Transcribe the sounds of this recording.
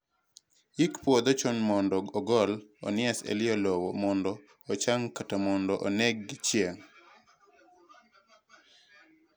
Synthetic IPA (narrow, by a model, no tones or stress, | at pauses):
ikpwɔd̪ɔt͡ʃɔnmɔndɔɔɡɔlɔ̰nɪɛsḛlɪɔlɔwɔmɔndɔː | t͡ʃaŋkatamɔndɔʔɔ̰nɛɡːɪt͡ʃjeŋ